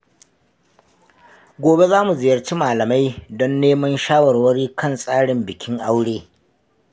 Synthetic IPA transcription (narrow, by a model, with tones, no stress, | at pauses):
ɡʷoː˨be˦zaː˦mu˨zɪ˨jɐ˨rt͡ʃi˦maː˨lɐ˨ma˦jdɔ˦nːeː˦mɐ˦nʃaː˦wɐ˨rwɐ˦ɽiː˦kɐ˦˨nsʼaː˦ɽɪ˨mbɪ˨kʲɪ˦ŋʔa˦wɽeː˦